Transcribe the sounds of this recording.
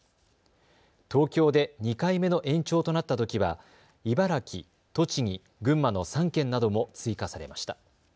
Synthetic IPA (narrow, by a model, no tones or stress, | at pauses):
t̪o̞ːkʲo̞ːd̪e̞ɲ̟ikaime̞no̞ʔẽ̞ɲ̟t͡ɕo̞ːt̪o̞nat̪ːat̪o̞kʲiβa̰ | ibaɾakʲi | t̪o̞t͡ɕiɲ̟i | ɡɯ̟̃mːano̞sãŋkẽ̞nːad̪o̞mo̞t͡sɨikasaɾe̞̰maɕi̥t̪a